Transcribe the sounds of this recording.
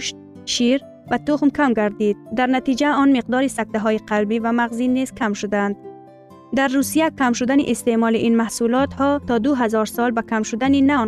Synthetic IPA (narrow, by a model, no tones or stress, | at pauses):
ʃ | ʃiɾ | vat̪uχmkʰamɡaɾd̪id̪̚ːaɾnat̪id͡ʒaɔnmiq̚d̪ɔɾisak̚t̪aɦɔiqʰalbivamaʁzinːiz̥kʰamʃud̪and̪ | d̪aɾːusijakʰamʃud̪anḭʔest̪emɔliʔinmahsulɔt̪hɔt̪ʰɒd̪uɦazɔɾsɔlbakʰamʃud̪aninan